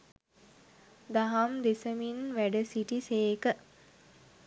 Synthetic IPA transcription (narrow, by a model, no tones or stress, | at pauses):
d̪aɦamd̪esəminʋæɖəsiʈiseːkə